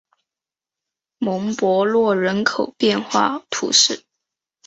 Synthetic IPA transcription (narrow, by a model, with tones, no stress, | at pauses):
mʊ˧˥ŋpwɔ˧˥lwɔ˥˩ɻə˧˥nkʰo˨˩ʊpjɛ˥˧nxwa̰˥˩t̪ʰṵ˧˥ʂɻ̩˥˩